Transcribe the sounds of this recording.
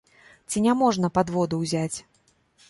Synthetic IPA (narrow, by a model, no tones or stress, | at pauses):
t͡sʲinʲamɔʐnɐpad̪vɔd̪uwzʲat͡sʲ